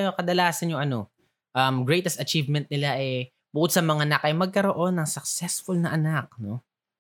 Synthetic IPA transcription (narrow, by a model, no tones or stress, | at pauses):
jokɐd̪ɐlaːsɐnjʊŋʔɐno̞ | ʔɐmɡɹɛjt̪ɛst̪ɐt͡ʃivmɛnt̪̚nɪlaʔɛ | bʊkʊd̪̚sɐmɐŋanakʔɐjmɐɡ̚kɐɾoʔo̞nːɐŋsɐk̚sɛsfʊlnɐʔɐnak̚no̞